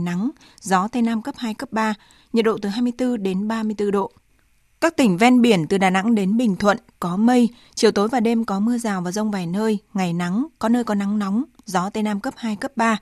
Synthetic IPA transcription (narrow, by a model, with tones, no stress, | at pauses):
na˨˦ŋ | zɔ˨˦t̪e˧naː˧mkə˦˥p̚haː˧jkə˦˥p̚ɓaː˧ | ɲə̰˨˩t̚ɗo̰˧˨t̪ɨ˨˩ɦaː˧jmɨ˧əjt̪ɨ˧ɗe˨˦nɓaː˧mɨ˧əjt̪ɨ˧ɗo̰˧˨ | kaː˦˥k̚t̪ï˧˩ŋ̟vɛ˧nɓi˧˩ənt̪ɨ˨˩ɗaː˨˩na̰˧˥ŋɗe˨˦nɓï˨˩ŋ̟t̪ʰwə̰˧˨nkɔ˨˦mə˧j | t͡ɕi˨˩əwt̪o˨˦jvaː˨˩ɗe˧mkɔ˨˦mɨ˧əzaː˨˩wvaː˨˩wzə˧wŋ͡mvaː˨˩jnəː˧jŋa˨˩jna˨˦ŋkɔ˨˦nəː˧jkɔ˨˦na˨˦ŋnɔ˨˦wŋ͡mzɔ˨˦t̪e˧naː˧mkə˦˥p̚haː˧jkə˦˥p̚ɓaː˧